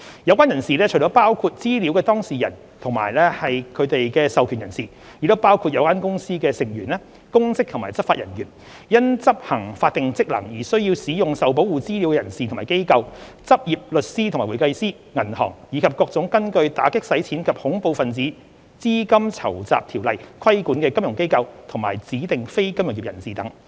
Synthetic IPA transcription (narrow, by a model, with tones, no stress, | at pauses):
jɐ˨˧wkʷwaː˥jɐ˨˩nsiː˨lɛː˥t͡ʃʰɵ˨˩t͡ʃɔ˨˥paː˥wkʰuː˧t̚t͡siː˥liː˨˥wkɛː˧t̪ɔː˥ŋsiː˨˩jɐ˨˩n | t̪ʰʊ˨˩ŋma̰ː˨˩jlɛː˥hɐ˨jkʰɵ˨˧ɥt̪e˨jkɛː˧sɐ˨wkʰyː˨˩njɐ˨˩nsiː˨˩ | ji˨˥t̪o˥wpaː˥wkʰu˧t̚jɐ˨˧wkaː˥nkʊ˥ŋsiː˥kɛː˧sɪ˨˩ŋjyː˨˩nɛː˥ | kʊ˥ŋsɪ˥k̚t̪ʰʊ˨˩maː˨˩jt͡sɐ˥p̚faː˧jɐ̰˨˩njy˨˩n | jɐ˥nt͡sɐ˥p̚hɐ˨˩ŋfaː˧t̪̚ɪ˨ŋt͡sɪ˥k̚lɐ̰˨˩ŋjiː˨˩sɵ˥ɥjiː˧wsiː˨˥jʊ˨ŋsɐ˨wp̬o˨˥wuː˨˩t͡siː˥li˨˥wkɛː˧jɐ˨˩nsi˨t̪ʰmaː˨˩jke˥jkɐ˧w | t͡sɐ˥p̚jiː˨p̚lɵ˨t̚siː˥t̪ʰmaː˨˩wu˨˩jkɐ˧jsiː˥ | ŋɐ˨˩nhɔ̰ː˨˩ŋjiː˨˧kʰɐ˨p̚kɔː˧k̚t͡sʊ˨˥ŋkɐ˥nkɵ˧ɥt̪aː˨˥kɪ˥k̚sɐ˨˥jt͡sʰiː˨˥nkʰɐ˨p̚hʊ˨˥ŋpo˧wfɐ˨nt͡siː˨˥ | t͡siː˥kɐ˥mt͡sʰɐ̰˨˩wt͡sa̰ː˨p̚t̪ʰiː˨˩wlɐ˨jkʰwɐ˥jkuː˨˥nkɛː˧kɐ˥mjʊ˨˩ŋke˥jkɐ˧wt̪ʰʊ˨˩ŋma̰ː˨˩jt͡siː˨˥t̪ɪ˨ŋfe˥jkɐ˥mjʊ˨˩ŋji˨jɐ̰˨˩nsiː˨t̪ɐ˨˥ŋ